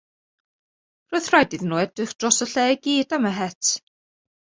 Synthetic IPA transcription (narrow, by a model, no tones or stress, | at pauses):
rʊθrajdɪðnuːɛd̥rɨχd̥rɔsəɬɛɡ̥iːdaməɦɛtʰ